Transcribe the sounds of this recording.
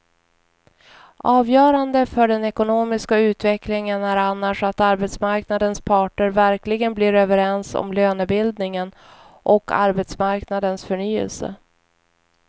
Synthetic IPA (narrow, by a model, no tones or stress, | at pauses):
ʔɑːvjœːɾand̪əfœɖɛnɛkʊnoːmɪskaʉ̟ːt̪vɛklɪŋənæɾanːaʂat̪aɾbɛt̪smaɾknad̪ənspʰɑːʈəɾvæɾklɪɡənbliːɾøvəɾɛnsɔ̰mløːnəbɪld̪nɪŋən | ʔɔka̰ɾbɛt̪smaɾknad̪ənsfœɳyːə̰lsə̰